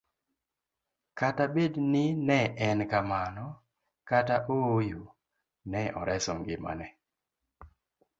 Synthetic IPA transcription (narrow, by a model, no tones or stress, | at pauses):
katabednɪnɛʔɛnkamanɔ | kataʔojo | nɛɔ̰ɾɛsɔŋɡɪma̰nɛ